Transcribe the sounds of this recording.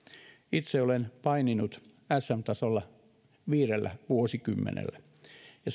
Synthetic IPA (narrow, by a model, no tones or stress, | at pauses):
it̪seolenpɑininut̪ | æsːæmt̪ɑsolːɑ | ʋiːrelːæ̰ʋuosikymːḛnḛlːæ | jɑ